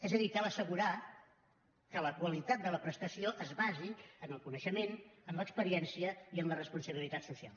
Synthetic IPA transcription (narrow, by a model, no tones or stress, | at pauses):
ɛzəðikɛləsəɣuɾa | kələkwəlit̪at̪̚d̪ələpɾəst̪əsioʔəzβaziənəlˠkunəʃəmenəmləkspəɾiɛnsiəiənlərəspunsəβilit̪at̪susia̰lˠ